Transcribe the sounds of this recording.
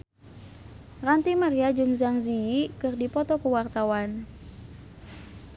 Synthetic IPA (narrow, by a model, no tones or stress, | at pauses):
rant̪imaɾiad͡ʒɨŋzaŋziikɨrdipɔt̪ɔkəwart̪awan